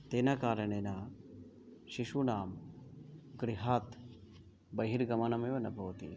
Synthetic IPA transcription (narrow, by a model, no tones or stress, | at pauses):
t̪eːnakaːɾɐɳeːna | ʃiʃunaːm | ɡɾiɦaːt̪ | bɐɦiɾɡɐmɐnɐmeːʋɐnɐbʱɐʋɐt̪ḭ